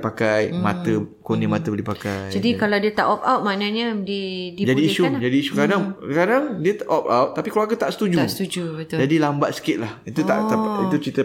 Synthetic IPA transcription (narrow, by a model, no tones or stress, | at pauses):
pakajmat̪əkonĩmat̪əbəldipakajd͡ʒadikaladiət̪a̰ʔɔp̚awt̪̚manaɲədidid͡ʒadiːʃud͡ʒadiːʃukadaŋkadaŋdiət̪aʔɔpa̰wt̪̚ːapikəloakət̪aʔsə̥t̪ud͡ʒust̪ud͡ʒubət̪d͡ʒadilambaʔ̪̚sə̥kɪt̪̚lahit̪ua̰ʔ̪ait̪ut͡ʃit̪ə